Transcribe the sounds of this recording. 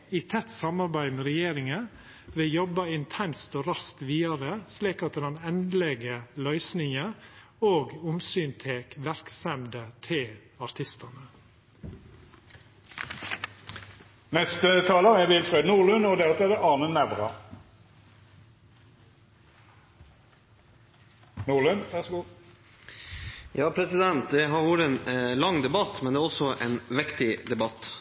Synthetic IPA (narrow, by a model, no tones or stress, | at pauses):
iːt̪ʰɛt̪sɑmɑɾbæɪmeːɾɛjeːɾɪŋə | ʋejɔbɑɪnt̪ʰɛnst̪oːɾɑst̪ʋiːɑɾəsliːkɑt̪̚d̪ɛd̪ɑnɛnd̪lɛɡəlœʏsnɪŋə | oːɡʊmsyːnt̪ʰeːkʋæɾksɛmd̪ət̪ʰɪl | ɑɾt̪ʰɪst̪ɑnə | nɛst̪ət̪ʰɑːlɑɛʋɪlfɾøːd̪nuːʁlʉnɔd̪ɛʁɑt̪ɛd̪ɛʔɑːnənːæʋʁɑ | nuːlʉnʋæʁsɡu | jɑːpʰɾɛsɪd̪ɛnt̪̚d̪ɛɦɑɾʋuːɾəeːnlɑŋd̪ɛbɑt̪mɛnd̪ɛːæɾɔsɔʔɛːnʋɛkt̪ɪd̪ɛbɑt̪ː